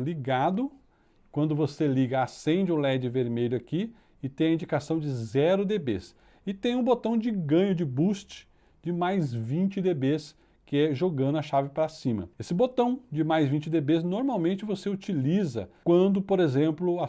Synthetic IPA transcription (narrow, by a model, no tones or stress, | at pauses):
liɡad̪ʊ | kwɐ̃nd̪ʊvoseliɡɐasẽnd͡ʒɪʊlɛd͡ʒɪveɾmeʎʊaki | ɪt̪ẽj̃ɐĩd͡ʒikasɐ̃w̃d͡ʒɪzɛɾʊd̪ebḛs | ɪt̪ẽj̃ũbot̪ɐ̃w̃d͡ʒɪɡɐ̃ɲʊd͡ʒɪbust͡ʃɪ̥ | d͡ʒɪmajzvĩt͡ʃɪd̪ebes | kɪɛʒoɡɐ̃nd̪ʊɐʃavɪpɾasĩmɐ̰esɪbot̪ɐ̃w̃d͡ʒɪmajzvĩnt͡ʃɪd̪ebes̬noɾmawmẽnt͡ʃɪvoseut͡ʃilizɐ̰kwɐ̃nd̪ʊpoɾezẽmplʊa